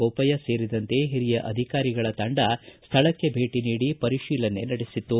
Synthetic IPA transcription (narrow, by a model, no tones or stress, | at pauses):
oːpɐjɐse̞ːɾid̪ɐnt̪e̞ɦiɾijɐʔɐd̪ʱikaːɾiɡɐɭɐt̪ɐɳɖɐst̪ʰɐɭɐkːe̞bʱe̞ːʈiniːɽipɐɾiʃiːlɐnːe̞nɐɽesit̪ːu